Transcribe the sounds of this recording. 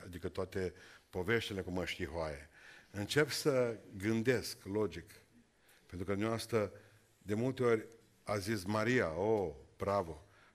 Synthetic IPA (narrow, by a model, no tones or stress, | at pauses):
ad̪ikət̪oat̪e̞po̞ve̞ʃt̪ele̞kuməʃt̪iɦoajḛɨnt͡ʃe̞psəɡɨnd̪e̞sklo̞d͡ʒik | pe̞nt̪ɾukəd̪umnʲaast̪ə | d̪e̞mult̪e̞o̞rʲ | azismaɾiaob̥ɾavo̞